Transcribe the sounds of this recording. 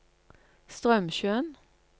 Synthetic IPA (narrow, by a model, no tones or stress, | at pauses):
st̪ʁœmʃøːn